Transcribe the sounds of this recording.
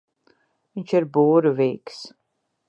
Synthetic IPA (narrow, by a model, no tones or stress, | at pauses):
vint͡ʃiɾbuːɾuviːks